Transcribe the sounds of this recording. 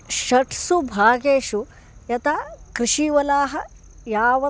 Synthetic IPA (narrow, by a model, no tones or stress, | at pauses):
ʃɐʈʰsubʱaːɡeːʃu | jɐt̪akɾiʃiʋɐlaːɦɐ | jaːʋɐ